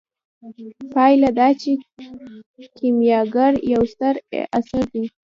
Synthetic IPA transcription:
pɑjlad̪ɑt͡ʃe | kʰimjɑɡaɾjawst̪aɾʔasaɾd̪i

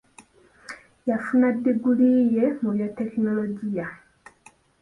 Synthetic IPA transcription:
jafunadeɡulijemujoteknoloɟija

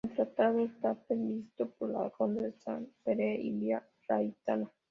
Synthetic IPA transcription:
nt̪ɾat̪aðost̪apemist̪opola̰kond̪esa̰npeɾeilja | rajt̪ana

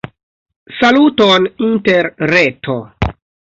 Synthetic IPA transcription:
salutoninteɾːetʰo

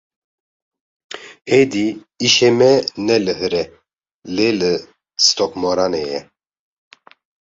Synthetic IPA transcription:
hed̪i | iʃɛmɛnɛləɦɨɾɛ | lelə | st̪ɔkmɔɾanɛjɛ̰

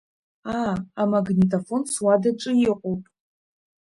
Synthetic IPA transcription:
aːamaɡnʲitʰʼofo̞nswadaʈ͡ʂʼɨjɪqʷʼowpʼ

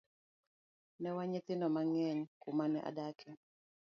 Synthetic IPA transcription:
nɛwaɲet̪ɪnɔmaŋɛɲkumanɛʔa̰dakʰɛ

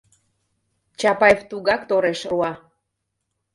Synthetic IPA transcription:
t͡ɕɑpɑeft̪uɣɑkt̪oɾeʃuɑ

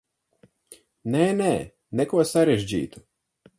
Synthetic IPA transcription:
nɛnɛ | nɛkuɔsaɾeʒd͡ʒḭːt̪u

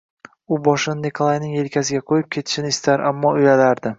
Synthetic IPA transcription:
ʊbɒʃɪnnikʰolˠajnɪŋe̞lkʲʰasɪɡʲaqʰojɪp̚kʲʰe̞t̪ʰɪ̥ʃɪnɪɪst̪aɾa̰mːɒojalaɾd̪ɪ

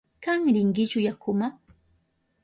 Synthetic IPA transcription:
kaŋɾɪŋɡɪt͡ʃʊjakʰʊma

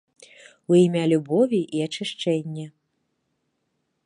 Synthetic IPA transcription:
uimʲalʲubɔvʲiʔiat͡ʂɨʂt͡ʂɛnʲːɛ

